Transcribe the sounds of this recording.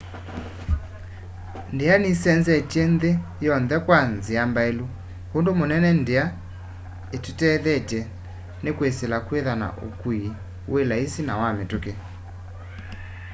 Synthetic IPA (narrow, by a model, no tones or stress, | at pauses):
ndeanisɛnzɛtenðe | jɔnðɛkwanziambaelu | hondomonɛnɛndea | etutɛðɛtɛ | nekweselakweðana̰ʔo̰kwi | welaisinawametoke